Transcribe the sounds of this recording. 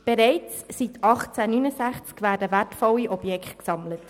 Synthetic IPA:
b̥eɾɛɪt͡sːitɑχt͡sænynəzæχt͡skvæːɾdəværtfɔlːiʔɔbjɛkχt̚ksɑmlət

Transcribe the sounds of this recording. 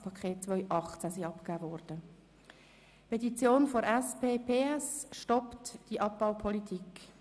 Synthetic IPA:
pʰɑkʰχeːt̚t͡sʋœʏʔɑχt͡sæsiɑpkæːvɔɾd̥ə | pʰet̪it͡sjoːnfoɾɛspeːpʰeːɛsʃtɔptd̥iʔɑp̚b̥aʊpʰɔlitʰik

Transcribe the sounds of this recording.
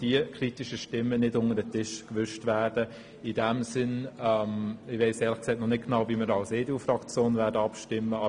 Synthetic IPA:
d̥iəkʰɾitɪʃəʃtɪmːənɪdʊnəɾdətɪʃkʋʏʃtvæːɾd̥ə | idɛmsɪnɛmɪʋɛɪseːlɪχksɛɪtnɔnɪɡ̥nɑʊviməɾɑlseːduːfrɑkt͡sjoːnvɛːɾdəɑpʃtɪmːəɑ

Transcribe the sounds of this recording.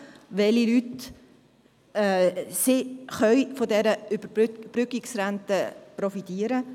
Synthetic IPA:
ʋɛlilyt | siχœʏfɔdɛɾəybəb̥ɾʏkɪksɾantəpɾɔfitiːəɾə

